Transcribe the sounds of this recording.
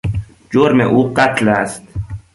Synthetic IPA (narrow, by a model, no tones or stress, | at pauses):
d͡ʑoːɾmeʔuːqaʈʰlaːst̪